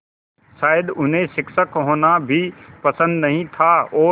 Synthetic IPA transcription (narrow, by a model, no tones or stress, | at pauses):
ʃaːjd̪ʊnɦẽʃɪkʃəkɦoːnabʱipəsə̃nd̪nəɦĩt̪ʰaɔː